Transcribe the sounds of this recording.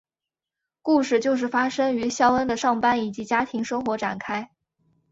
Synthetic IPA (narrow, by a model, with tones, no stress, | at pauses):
ku˥˧ʂɻ̩˥˩t͡ɕjo˥˧ʊʂ̬ɻ̩˥˩fa˥ʂɤ˥ŋy˧˥ɕjɑ˥ʊə˥nd̪ə˨ʂɑ˥˩ŋpa˥ni˨˩t͡ɕi˧˥t͡ɕja˥t̪ʰi˧˥ŋʂɤ˥ŋxwɔ˧˥ʈ͡ʂa˨˩nkʰa˥ɪ